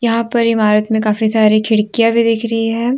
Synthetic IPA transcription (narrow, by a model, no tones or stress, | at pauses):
jɐɦãpɐɾɪmaːɾət̪mẽkaːfisaːɾikʰɪɽkijabʱid̪ɪkʰɾɐɦiɦɛː